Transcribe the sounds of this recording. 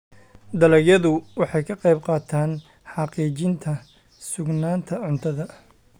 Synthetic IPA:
d̪ɐlɐɡjɐðʊwɑħɑjkʰɐqɑjb̚qɑːt̪ʰaːn | ħɑqiːt͡ʃɪnt̪ʰɐ | sʊɡnaːnt̪ʰɐʕʊnt̪ʰɐðɐ

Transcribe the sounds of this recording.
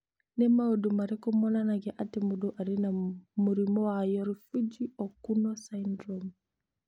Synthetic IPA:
nɛmaɔdumaɾɛkɔmɔnanaɡɛʔatɛmuduʔaɾinamuɾimɔwajɔɾfid͡ʒiʔɔkunɔsandɾɔm

